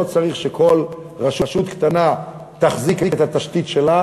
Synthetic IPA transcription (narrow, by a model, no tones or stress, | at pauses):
ot͡saʁiχʃekʰo̞l | ʁaʃuʃut̪kt̪ana | t̪aχzikekt̪hat̪aʃt̪it̪ʃela